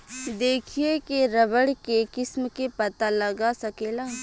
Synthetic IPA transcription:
d̪eːkʰiekeɾɐʋəɽkekɪsmkepɐt̪alɐɡasɐkeːlaː

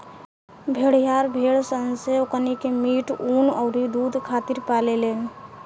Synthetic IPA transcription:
bʱeɽ̤ijaɾbʱeɽsənseokənikemiʈunɔʊɾid̪ud̪ʱkʰat̪iɾpalelen

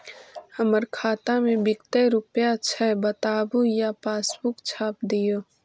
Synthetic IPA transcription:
həməɾkʰaːt̪ãmẽbɪkt̪eɾʊpjat͡ʃʰɛbət̪aːbujapaːsbʊkt͡ʃʰaːp̚d̪ijoː

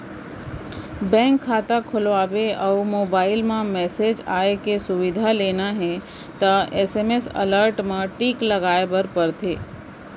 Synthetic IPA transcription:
bɛ̃ːŋkʰːaːt̪akʰʊlʋaːbeɐʊmoːbaːɪlmãmɛːsed͡ʒaːekesʊʋɪd̪ʱaleːnaɦɛ̃ | t̪aeːseːmesɐ̰ləɾʈmãʈiːkləɡaːebəɾpəɾt̪ʰeː

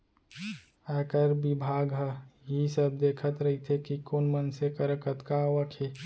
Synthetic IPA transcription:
əkəɾbibʱaːɡɦəjisəb̚d̪eːkʰət̪ɾəɦit̪ʰekikoːnmənsekəɾəkət̪kaʋəkʰe

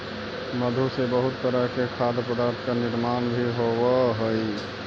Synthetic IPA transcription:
məd̪ʱusebəɦut̪ːəɾəɦkekʰad̪pəd̪aɾt̪ʰkaniɾmanbʱiɦoʋəɦəj

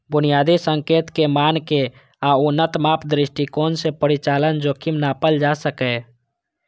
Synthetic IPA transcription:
bʊnijaːd̪isə̃ŋkeːt̪kemaːnke | aʊnət̪maːpʰd̪ɾɪʃʈikoːnsepəɾɪt͡ʃaːlənd͡ʒokɪmnapəld͡ʒasəkɛ

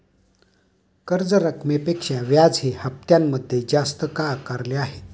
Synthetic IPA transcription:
kəɾd͡zəɾəkʰmepekʂãʋjad͡zɦihəp̚t̪jamːəd̪ʱːjed͡zast̪əkakaɾleaɦet̪

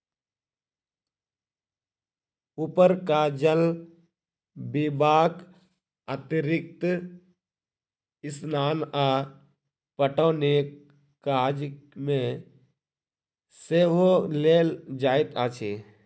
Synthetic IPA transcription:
upəɾkaːd͡ʒəl | bibaːk | at̪ɪɾɪk̚t̪ | ɪsnaːnaː | pəʈoːneːk | kːaːd͡ʒmẽ | seʋoleːld͡ʒaːɪt̪aːt͡ʃʰeː

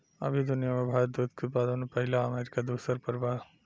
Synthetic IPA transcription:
ɐ̰bʱid̪ʊnijamebʱaːɾət̪̚d̪ut̪̚ket̪̚paːd̪ənpəɦɪlaəmeːɾikad̪uːsəɾpəɾba

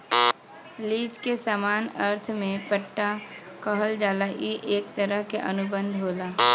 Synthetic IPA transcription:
liːd͡ʒkesaːmaːnəɾt̪ʰmẽpəʈːa | kəɦəld͡ʒaːlaʔiʔeːk̚t̪əɾəɦkeʔənʊbə̃nd̪ʱɦoːlaː

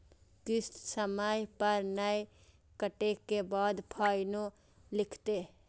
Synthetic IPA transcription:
kɪst̪səməjpəɾnəj | kəʈekebaːd̪pʰaːjno | lɪkʰt̪e

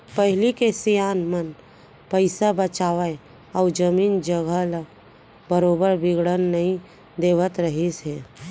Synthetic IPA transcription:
pəɦɪlikesijaːnmən | pəɪsabət͡ʃaːʋəe | ɔːd͡ʒəmiːnd͡ʒəɡəla | bəɾoːbəɾbɪɡɽənːɐɦĩ | d̪eːʋət̪ɾəɦiseː

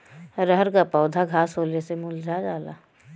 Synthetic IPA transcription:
ɾəɦəɾkapɔːd̪ʱaɡʱaːsɦoːlesemuld͡ʒʱad͡ʒaːla̰

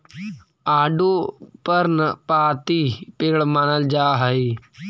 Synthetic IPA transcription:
aːɖoːpəɾnəpaːt̪iːpeːɭmaːnəld͡ʒaːɦəiː

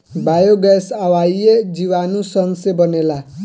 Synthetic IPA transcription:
bajoɡɛsawajed͡ziwanusʌnsebʌnela

